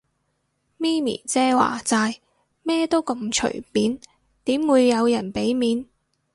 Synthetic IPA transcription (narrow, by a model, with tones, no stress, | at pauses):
miː˥mḭː˨˩t͡sɛː˥wa̰ː˨˩t͡saː˧j | mɛː˥t̪o˥wkɐ˧mt͡ʃʰɵ̰˨˩ɥpiː˨˥n | t̪iː˨˥mwuː˨˧jːɐ˨˧wjɐ˨˩npe˨˥jmiː˨˧n